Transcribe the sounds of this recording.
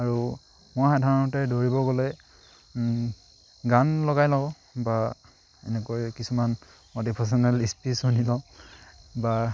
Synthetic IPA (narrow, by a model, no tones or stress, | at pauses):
aɹu | mɔjxadʱaɹɔnɔtɛdoɹibɔɡɔlɛ | ɡanlɔɡajlɔʊ | ba | ɛ̰nɛkojkisuman | mɔdipʰas̬ɔnalispisunilɔ | ba